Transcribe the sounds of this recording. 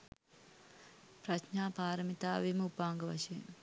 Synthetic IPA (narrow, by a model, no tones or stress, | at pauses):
pɾɐʃnaːpaːɾɐmit̪aːʋimupaːŋɡɐʋɐ̰ʃe